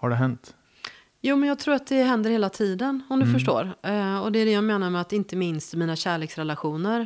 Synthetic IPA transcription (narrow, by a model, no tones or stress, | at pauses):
haɖɛɦɛnt̪ | juːmɛnjɑːɡ̚t̪ʰɾuːɾat̪̚d̪ɛɦɛnd̪əɾheːlat̪ʰiːd̪ənɔmd̪ɵfœʂʈo̰ːɾɔd̪ɛæɖɛjaːmeːnaɾmɛat̪ɪnt̪əmɪnst̪miːnaɕæːɭeːksɾɛlaɧuːnəɾ